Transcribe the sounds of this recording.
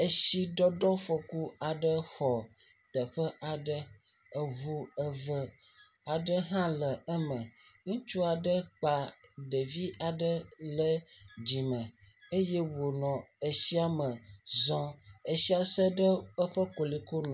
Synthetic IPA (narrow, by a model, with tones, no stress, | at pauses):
ə˨ʃi˦ɖɔ˦ɖɔ˦fo˨ku˦a˨ɖə˦xɔ˨ | t̪ə˨ɸə˦ʔa˨ɖə˦ | ə˨βu˦ə˨və˦a˨ɖə˦ɦã˦lə˨ə˦mə̃˨ŋũ˦t͡ʃu˦a˨ɖə˦k͡pa˨ɖə˨vi˦a˨ɖə˦lə˦d͡ʑi˨mə̃˨ | e˦je˦wo˨nɔ̃˨e˨si˦a˦mə˨zɔ̃˦e˨si˦a˨sə˦ɖə˦ə˦ɸə˦ko˨li˨ko˦nɔ̃˨